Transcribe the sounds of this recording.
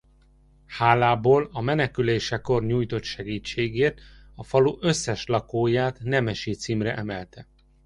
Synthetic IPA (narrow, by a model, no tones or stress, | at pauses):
haːlaːboːlɒmɛnɛkyleːʃɛko̞rɲuːjt̪o̞t̪ʃɛɡiːt͡ʃːeːɡeːrt̪ | ɒfɒluʔø̞sːɛʃlɒkoːjaːt̪nɛmɛʃit̪siːmrɛʔɛmɛlt̪ɛ